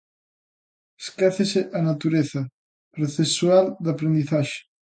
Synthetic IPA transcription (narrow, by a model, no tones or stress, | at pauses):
eskɛθeseʔanat̪uɾeθa | proθesuald̪apɾẽnd̪iθaʃe̥